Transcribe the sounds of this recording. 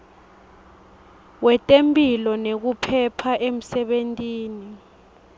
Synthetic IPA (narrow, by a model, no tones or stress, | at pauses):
wɛtʼempʼilɔnek̬upʰɛpʰaʔem̩sɛɓentʼiːni